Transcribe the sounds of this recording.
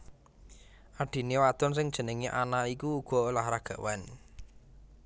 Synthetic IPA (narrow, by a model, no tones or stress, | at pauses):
ʔaɖ̥i̤newat̪ɔns̬ɪŋd̥ʒ̥ə̤nəŋiʔanaikuːɡ̥ɔ̤lahɾaɡ̥a̤wan